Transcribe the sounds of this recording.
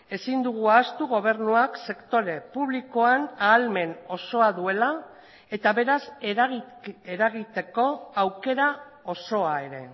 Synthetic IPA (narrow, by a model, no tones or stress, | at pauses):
e̞sind̪uɣ̞uaːst̪uɣo̞β̞e̞ɾnuakse̞kt̪o̞ɾe̞puβliko̞anaːlme̞no̞so̞aðue̞la | e̞t̪aβe̞ɾaseɣeɾaɣit̪e̞ko̞awke̞ɾa | o̞so̞ae̞ɾe̞̰